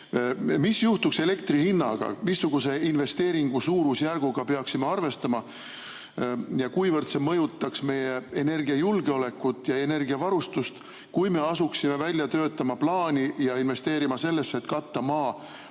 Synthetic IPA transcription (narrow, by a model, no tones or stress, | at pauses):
misjuht̪ukse̞le̞kt̪rihinːɑɡ̥ɑ̰misːuɡ̥use̞inve̞st̪e̞ːɾiŋɡ̥usuːɾusjærɡ̥uɡ̥ɑpe̞ɑksimeɑrve̞st̪ɑmɑ | jɑkujvɤrd̪̥se̞mɤ̞jut̪ːˑɑksme̞je̞ene̞rɡiɑjulɡ̥eo̞lekːˑut̪ːˑjɑe̞ne̞rɡ̥iɑvɑɾust̪ust̪ | kujme̞ɑsuksime̞vælʲjɑt̪ø̞ːt̪ːˑɑmɑplɑːnʲijɑinve̞st̪e̞ːɾimɑse̞lːe̞sːeet̪kɑt̪ːɑmɑː